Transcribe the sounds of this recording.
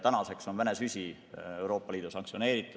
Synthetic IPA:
t̪ænɑse̞kso̞nvæne̞sysʲi | e̞wɾo̞ːpːɑliːd̪usɑŋksione̞ːɾit̪ːˑu̥

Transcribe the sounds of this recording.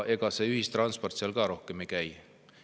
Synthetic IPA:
ʔe̞ɡ̥ɑse̞yhist̪rɑnspo̞rt̪seɑlɡɑɾo̞hkemejkæj

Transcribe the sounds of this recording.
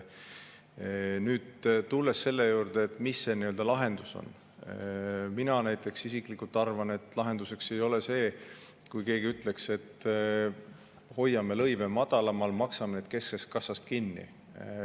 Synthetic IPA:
nyːd̪̥t̪ulːe̞sːe̞lːe̞juːrd̪̥eːt̪ːˑmisːeniøld̪̥ɑlɑɦe̞nd̪̥uso̞̰n | minɑnæjt̪ːˑe̞ksisiklikːˑult̪ːˑɑrvɑne̞t̪ːˑlɑɦe̞nd̪use̞kse̞jo̞lese̞ː | kujke̞ːɡiyt̪ˑle̞kse̞t̪ | ho̞jːɑme̞lɤ̞jve̞mɑd̪̥ɑlɑmɑlmɑksɑmened̪̥̚ke̞skest̪̚kɑsɑst̪̚kinːḭ

